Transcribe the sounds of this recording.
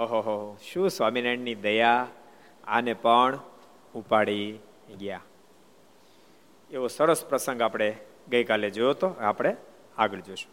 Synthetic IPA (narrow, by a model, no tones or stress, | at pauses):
ɦoɦoɦoɦoʃũsʋaminaɳnid̪əja | a̰nepəɳ | upaɽi | ɡja | eʋosəɾəspɾəsə̃ŋɡapɽ̃e | ɡəikaled͡ʒojot̪oapɽ̃e | aɡəɭd͡ʒoʃu̥